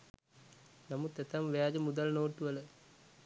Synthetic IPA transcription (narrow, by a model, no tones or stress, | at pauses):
nɐmut̪et̪ɐmʋjaːd͡ʒɐmud̪ɐlnoːʈːuʋɐlɐ